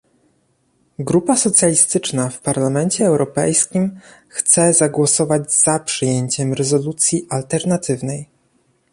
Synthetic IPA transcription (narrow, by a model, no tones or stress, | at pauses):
ɡɾupasɔt̪sʲjalʲist̪ɘt͡ʂnafpaɾlamɛɲt͡ɕɛːwɾɔpɛ̰jskʲimxt̪sɛzaɡwɔsɔvad͡ʑz̥apʂɘjeɲt͡ɕɛmɾɛzɔlut̪sʲjiʔalt̪ɛɾnat̪ɘvnɛj